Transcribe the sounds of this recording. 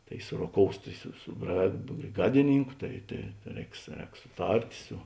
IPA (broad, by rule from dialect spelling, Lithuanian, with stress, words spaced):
ˈtɐɪ sʊroːˈkoːʊs tɐɪ sʊ sʊ brɐ bʲrʲeːˈɡɑːdʲɪˌnʲiːŋkʊ ˈtɐɪ tɐɪ ˈrʲɛːks ˈrʲɛːks sʊˈtɐrʲtʲ sʊ